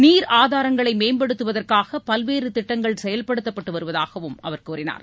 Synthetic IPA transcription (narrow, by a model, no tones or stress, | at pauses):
niːɾʔaːðaːɾɐŋɡɐɭɐɪmeːmbɐɽɯt̪ːɯʋɐðɐrkaːɣɐpɐlʋeːɾɯt̪ɪʈːɐŋɡɐɭsɛjɐlpɐɽɯt̪ːɐpːɐʈːɯʋɐɾɯʋɐðaːɣɐʋɯmʔɐʋɐrkuːrɪna̰ːɾ